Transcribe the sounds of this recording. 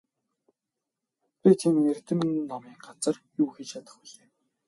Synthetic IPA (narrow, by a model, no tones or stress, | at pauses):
pʲit̪ʰimner̥t̪ɘ̆mːɔmiːŋɢat͡sə̆rjuːxet͡ɕt͡ɕʰat̪ə̆χpɔɮeː